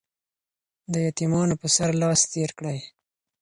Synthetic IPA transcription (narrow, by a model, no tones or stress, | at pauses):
d̪əjat̪imɑnopəsaɾlɑst̪eɾkɽaj